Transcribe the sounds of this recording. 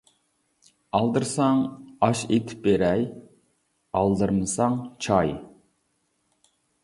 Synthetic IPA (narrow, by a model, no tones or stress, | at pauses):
ɑlˠd̪ɨɾsɑŋɑʃet̪ʰɪ̥p̚beɾɛj | ɑlˠd̪ɨɾmɨsɑŋt͡ʃʰɑj